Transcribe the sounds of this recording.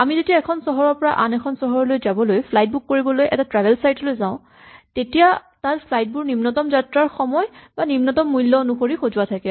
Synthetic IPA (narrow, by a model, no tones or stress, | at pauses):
amizetiaɛkʰɔnsɔɦɔɹɔɹpɔɹaʔanɛkʰɔnsɔɦɔɹɔlojzabɔlojpʰlajt̚bukːoɹibɔlojʔɛ̰tatɹabʱɛlsajtɔlojzãʊ̃ | tetijataɹpʰlajt̚buɹnimnɔtɔmzatɹaɹxɔmɔjbanimnɔtɔmːujlːɔnuxoɹixozuwatʰakɛ